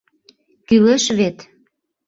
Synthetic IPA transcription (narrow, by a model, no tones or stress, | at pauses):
kyleʃβet̪